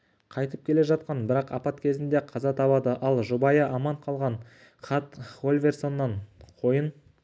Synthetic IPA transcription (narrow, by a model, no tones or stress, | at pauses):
qʰɑjt̪əp̚kʲʰe̞le̞ʒɑt̪̚qɑnbɪɾɑqɑpɑt̪kʲʰe̞zɪnd̪e̞qʰɑzɑt̪ʰɑpɑd̪əʔɑlˠʒubɑjɑʔɑmɑɴqʰɑlˠʁɑɴ | qʰɑt̪χo̞lʲvʲe̞rsonːɑɴqʰo̞jən